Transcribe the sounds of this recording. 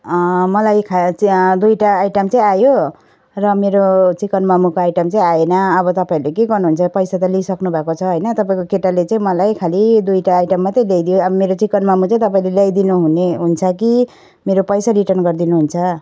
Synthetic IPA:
ʌmʌlajkʰad̪ujʈaːjʈʌmt͡sãĩajo | rʌmeɾot͡sikʌnmamukoajʈʌmt͡sãĩajenʌːβʌt̪ʌpaĩɾlekeɡʌrnuɦunt͡sʰʌpʌjsat̪ʌlisʌknubʱakot͡sʰʌɦʌjnʌt̪ʌpaĩkokeʈalet͡saĩmʌlajkʰalid̪ujʈaːjʈʌmːʌt̪ʌĩlejd̪ijoʌbʌmeɾot͡sikʌnmamut͡sãĩt̪ʌpaĩlelajd̪inuɦuneɦunt͡sʰʌki | meɾopʌjsaliʈʌrnɡʌrd̪inuɦunt͡sʰʌ

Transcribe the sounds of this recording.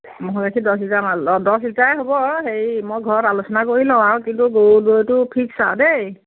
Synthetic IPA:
mɔɦɔkakʰidɔsitamaɔdɔslitaɛɦobɔxeɹmojɡʱɔɹɔtalosɔnakoɹilɔ̃aɹkintuɡowdotʊpʰiksa̰dej

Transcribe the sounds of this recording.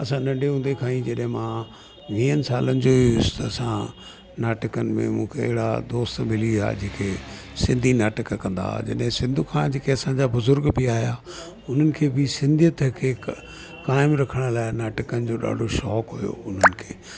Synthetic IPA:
ɐsãɗɐ̃ɳɖʱeɦũːnd̪ekʰãːĩd͡ʑɐɗɦɪ̃mãː | ʋĩːənsaːlənɪd͡ʑoːiʊst̪ɐsã | naːʈəkənɪ̆mḛ̃mũːkʰḛɦɪɽa̰d̪oːst̪mɪlia̰ːd͡ʑeːkʰe | sɪ̃nd̪ʱinaːʈəkkɐ̃nd̪a̰d͡ʑɐ̰ɗɦɪ̃sɪ̃nd̪ʱukʰãːd͡ʑeːkʰeɐsãɲd͡ʑabʊzʊɾɡbʱiaːijaː | ʊn̤ənɪ̆kʰeːbʱɪsɪ̃nd̪ʱijət̪kʰeː | kaːɪmɾɐkʰəɽ̃laːɪnaːʈəkənɪd͡ʑoːɗa̰ːɖʱoʃɔːkɦʊjo̰ʊn̤ənɪ̆kʰeː

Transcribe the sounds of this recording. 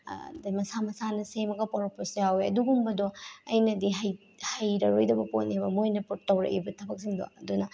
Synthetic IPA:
dmɐsamɐsanɐsemɐɡɐpoɾɔposjaweɐduɡumbɐdɔɐjnɐdiɦaj | hajɾɐɾojdɐbɐponiebɐmojnɐpuɾtːɐwɾɐ̰ʔibɐtʰɐbɐk̚siŋdo̰ɐdunɐ

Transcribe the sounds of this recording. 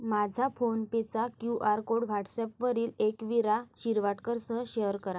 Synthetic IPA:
mad͡ʑʱafonpet͡sakjuʔaɾkoɽʋʱaʈʰsɛpʋəɾiːlekʋiɾaɕiɾʋaʈkəɾsəɦəɕeəɾkəɾa

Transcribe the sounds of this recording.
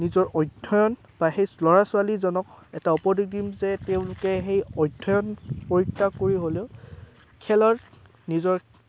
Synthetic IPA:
nizɔɹʔɔjdʱɔjɔn | b̥axejslɔɹasʊalizɔnɔkɛtaupɔdik̚dimzɛtɛʊ̃lʊkɛxejɔjdʱːɔjɔnpoɹitːakoɹiɦoleʊ | kʰɛlɔt | nizɔɹ

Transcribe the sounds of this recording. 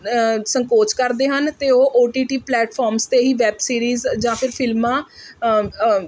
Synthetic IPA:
səŋkoːt͡ʃkəɾd̪eːɦənt̪eːoːʔoːʈiːʈiːplɛːʈpʰɔːɾmst̪eːɦiːʋɛːbsiːɾiːzd͡ʒãːpʰɪɾpʰɪlmãː

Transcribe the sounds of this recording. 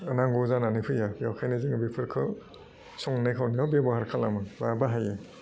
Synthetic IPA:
ɐnaŋɡɔzananɯpʰɯjajawkʰajnɯziŋɯbipʰɯɾkʰɯ | sɔŋnekʰawniawbebɔhaɾkʰalamɯbabaɦaje

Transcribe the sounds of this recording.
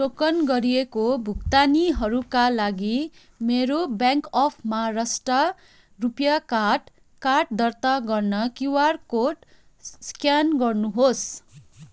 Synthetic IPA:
sokʌnɡʌɾijekobʱukt̪aniɦʌɾukalaɡi | meɾobjaŋkʌpʰmarʌsʈʌ | rupjakaʈ | kaʈ̚d̪ʌrt̪aɡʌrnʌkiwarkoʈ | skjanɡʌrnuɦos

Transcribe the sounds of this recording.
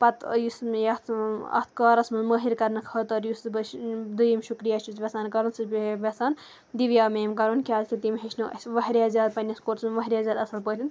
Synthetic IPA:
pɐt̪jusmjɐt̪ʰɐ̰t̪ʰkɐːɾɐsmɐnməɦiɾkɐɾnɨkʰɐːt̪ɐɾjusbd̪ujimʃukɾijaːt͡ʃut͡sʋʲɐsaːnkɐɾunsɨbʋʲɐsaːn | d̪iʋjaːmeːmkɐɾunkʲaːzkʲit̪imɦeʃnuɐ̰sʲʋɐɦɾjaːzʲaːd̪̚pɐnʲɐskoːɾsmɐnʋɐɦɾjaːzʲaːd̪ɐsɐlpət̪ʰʲin

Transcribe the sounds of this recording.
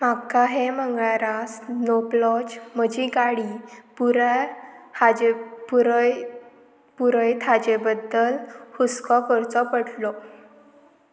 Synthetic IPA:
makaɦeməŋɡɭaɾasnoplɔt͡ɕməd͡ʑiɡaɽipuɾ | ad͡ʑpɾ | puɾəjt̪ʰad͡ʑebəd̪ːəlhuskɔkɔɾt͡sɔpəɽlɔ

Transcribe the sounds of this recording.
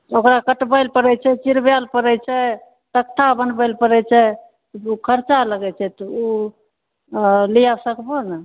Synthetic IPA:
okɾakəʈbəjlpəɾɛt͡ʃʰɛt͡ʃiɾbjalpəɾɛt͡ʃʰɛ | t̪ək̚t̪ʰabənbəlpəɾɛt͡ʃʰɛ | ukʰəɾt͡ʃaləɡɛt͡ʃʰɛt̪ɔu | lijasəkbonə

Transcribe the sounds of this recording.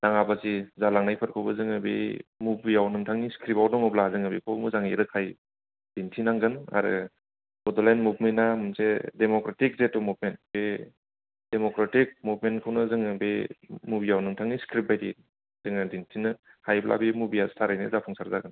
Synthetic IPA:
d̥aŋabasizalaŋnajpʰɯɾkʰɯwbɯzɯŋɯbemubijawnɯŋtʰaŋniskɾipawnɔŋɯblazɯŋabikʰowmɯzaŋiɾɯkʰaj | d̥intʰinaŋɡɯna̰ɾɯ̰ | ɡɔdɔlenmubmenamɯnsedemɔkɾatik̚zetɔmubmentbe | d̥emɔkɾatik̚mubmenkʰɯwnɯzɯŋɯbemubijawnɯŋtʰaŋniskɾip̚bajdi | z̥ɯŋadintʰinɯ | hajblʔa̰bimubiastʰaɾajnɯ̰zapʰɔŋsaɾzaɡɯn

